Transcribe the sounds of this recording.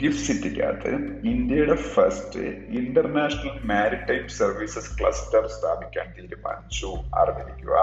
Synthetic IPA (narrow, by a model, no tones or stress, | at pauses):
ʈifsitːikʲːa̰ːt̪ːɨ̰ind̪jɐjuɽefɐstɨ̰inɖɐrnaːʂɐnɐlmaːɾiʈːɐjpsɐrʋiːsɐskɭɐ̰stɐrst̪ʰaːbikʲːa̰ːnt̪iːɾumɐ̰nsuɐ̰riʋɐɾikʲːṵɣa̰ː